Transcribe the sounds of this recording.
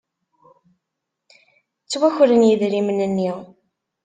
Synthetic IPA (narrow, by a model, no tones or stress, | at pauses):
t͡sːwæçɾənjiðɾimənənːiʁ